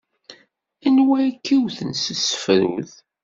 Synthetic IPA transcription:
ænwæjkːiwθənsəsə̥fɾṵð

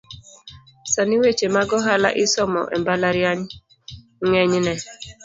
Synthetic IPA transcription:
saniwet͡ʃemaɡɔɦala̰ʔɪsɔmɔ̰ʔɛ̰mbalaɾjaɲ | ŋɛɲnɛ

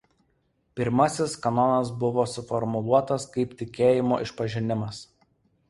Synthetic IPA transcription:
pʲɪɾmɐsʲɪskɐnɔnɐs̬bʊʋoːsʊfɔɾmʊlˠuɔt̪ɐskɐɪpt̪ʲɪkʲeːjɪmo̰ːʔɪʃpɐʒʲɪnʲɪmɐs

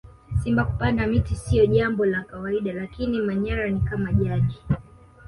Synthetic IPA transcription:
simbaku̥paŋamitisiɔʄambɔlakawaiɗalakinimaɲaɾanikamaʄaɗi

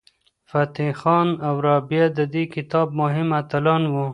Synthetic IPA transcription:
fat̪ixɑnawɾɑbjad̪əd̪ekɪt̪ɑb̚mʊɦɪmat̪alɑnwu

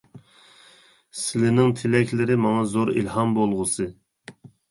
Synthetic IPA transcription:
sɪlɪnɪŋt̪ʰɪlɛkʲlɪɾɪmɑŋɑzoɾḭlhɑmbolˠʁʊsɨ

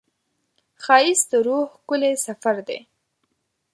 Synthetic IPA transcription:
xɑjɪsd̪əɾohkʊlesafaɾd̪ḛ

